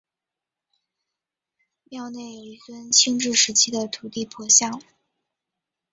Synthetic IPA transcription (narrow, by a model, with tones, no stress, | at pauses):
mjɑ˥˧ʊne˥˩ɪjo˨˩ʊi˧˥˩swə˥nt͡ɕʰi˥ŋʈ͡ʂɻ̩˥˩ʂɻ̩˧˥t͡ɕʰi˥d̪ə˨t̪ʰu˨˩t̪i˥˩pʰɔ˧˥ɕjɑ˥˩ŋ